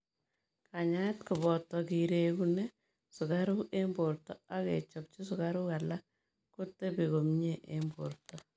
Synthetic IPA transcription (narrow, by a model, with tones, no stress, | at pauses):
kʰa˨ɲa˦tkʊ˨bɔ˨tɔki˨ɾe˨kune˦ | sʊ˨ka˦ɾu˦ʔe˦mbo˨ɾtɔ˦a˦kḛ˨t͡ʃɔ˨p̚t͡ʃi˦sʊ˨ka˦ɾu˦ka˨la˦ | ku˦tːe˦bi˨ko˨mɲe˦ʔembo̰˨rtɔ˦